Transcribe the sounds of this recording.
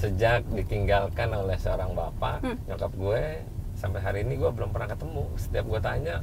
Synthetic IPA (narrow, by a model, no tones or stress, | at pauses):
səd͡ʒak̚dit̪iŋɡalkanolɛhsəoɾaŋba̰paɲakəp̚ɡuɛ | sampeɦaɾiːniɡuabəlʊmpərnaŋkət̪əmusə̥t̪iap̚ɡuat̪aɲa